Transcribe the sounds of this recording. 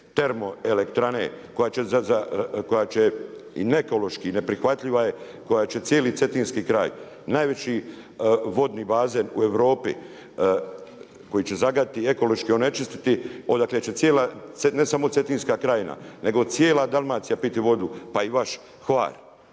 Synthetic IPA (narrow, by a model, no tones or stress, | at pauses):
t̪e̞ɾmo̞elekt̪ɾanḛko̞jat͡ɕezazako̞jaːt͡ɕeḭneko̞lo̞ʃkine̞pɾixʋat̪ʎiʋaje | ko̞jat͡ɕe̞t̪sjeːlit̪se̞t̪inskiːkɾa̰ːj | naːjʋe̞t͡ɕi | ʋo̞d̪niːbaːze̞nṵe̞ʋɾo̞ːpḭ | ko̞jit͡ɕe̞zaɡad̪it̪ie̞ko̞lo̞ʃkione̞t͡ʃist̪i̥t̪io̞d̪akle̞t͡ɕe̞t̪sjeːlaene̞samo̞t̪se̞t̪inskakɾaːjna̰ne̞ɡo̞t̪sjeːlad̪alˠmaːt̪sijapit̪iʋo̞d̪upaiʋaʃ | xʋa̰ːɾ